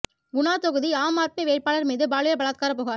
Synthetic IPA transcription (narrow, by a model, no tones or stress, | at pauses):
ɡʊnaːt̪ɔɣɯðiaːmaːt̪̚meʋeːʈ̚paːɭɐɾmiːðɯbaːɭɯjɐbɐɭaːt̪̚kaːɾɐp̬oːɣaːɾ